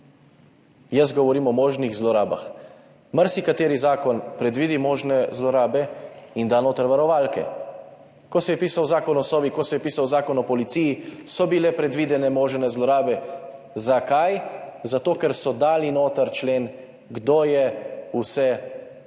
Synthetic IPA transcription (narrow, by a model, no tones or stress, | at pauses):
jɐs̬ɡɔʋɔɾiːmɔmoːʒniɣzlɔɾaːba̰x | maɾsikat̪eːɾizaːkɔnpɾɛd̪ʋiːd̪imoːʒnɛzlɔɾaːbɛind̪aːnoːt̪ɾɛʋaɾɔʋaːlkɛ̰ | kɔsɛjɛpiːsawzaːkɔnɔsɔːʋikɔsɛjɛpiːsawzaːkɔnɔpɔlit̪siːjisɔbilɛpɾɛd̪ʋiːd̪ɛnɛmoːʒɛnɛzlɔɾaːbɛ | zakajzat̪oːkɛɾsɔd̪aːlinoːt̪əɾt͡ʃleːn | ɡd̪oːjɛusɛ